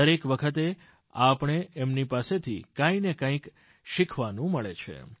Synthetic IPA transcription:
əɾekʋəkʰət̪̬e | apɳ̃eɛmnipaset̪ʰḭkãĩnekãĩk | ʃikʰʋanũməɭet͡ʃʰḛ

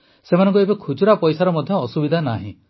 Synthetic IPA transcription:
semanɔ̃ŋkuebekʰud͡ʒuɾapɔjsaɾɔmɔd̪ʱjɔːsubid̪ʱana̰ɦḭ̃

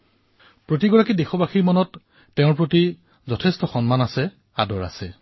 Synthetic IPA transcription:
pɹotiɡɔɹakidexɔbaxiɹmɔnɔtː | ɛʊ̃ɹpɹoti | zɔtʰɛstɔxɔnmanasɛ | a̰dɔɹa̰sɛ

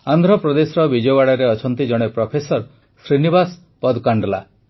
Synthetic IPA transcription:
and̪ʱɾɔpɾɔd̪esɔɾɔbid͡ʒɔɔwaɽaɾeɔt͡ʃʰɔnt̪id͡ʒɔɽ̃epɾɔpʰesɔɾ | sɾinibas | pɔd̪kaɳɖla̰

